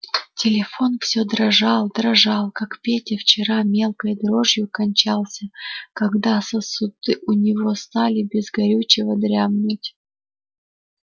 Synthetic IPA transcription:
tʲɪlʲɪfo̞nfsʲɵd̪ɾɐʐɑlˠd̪ɾɐʐɑlˠkakpʲetʲɪft͡ɕɪɾamʲe̞lˠkəjd̪ɾo̞ʐjʊkɐnʲt͡ɕalˠsʲəkɐɡd̪asəsʊd̪ɨʔʊnʲɪvo̞st̪alʲɪbʲɪzɡɐɾʲut͡ɕɪvəd̪ɾʲamnɨtʲ

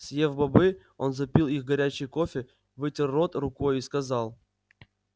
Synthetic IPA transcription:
sʲjevbɐbɨ | o̞nzɐpʲilˠixɡɐɾʲæt͡ɕɪjkofʲɪ | vɨtʲɪrːo̞t̪rʊko̞jiskɐzɑlˠ

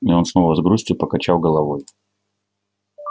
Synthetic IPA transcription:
io̞nsno̞vəzɡɾusʲtʲʊpəkɐt͡ɕalˠɡəlˠɐvoj

